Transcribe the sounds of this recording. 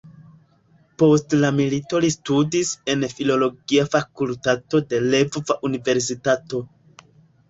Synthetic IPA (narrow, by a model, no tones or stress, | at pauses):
po̞stlamilito̞listudise̞nfilo̞lo̞ɡiafakultato̞de̞levvaʔunive̞ɾs̬itato̞